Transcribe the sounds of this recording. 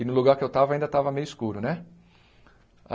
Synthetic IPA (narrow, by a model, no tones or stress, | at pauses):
ɪnʊluɡaɾkɪewt̪avɐaĩd̪ɐt̪avɐmejʊɪskuɾʊnɛ